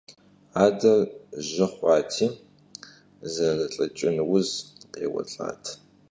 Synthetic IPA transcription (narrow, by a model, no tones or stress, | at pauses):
aːdɐrʒɐχʷɑːtʰiː | zɐrɐɬʼɐt͡ʃʼɪnwʊzqeːwɐ̰ɬʼa̰ːtʰ